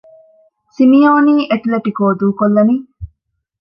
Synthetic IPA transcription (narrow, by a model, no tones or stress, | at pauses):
simijoːniːʔeʈleʈikoːd̪uːkolːɐni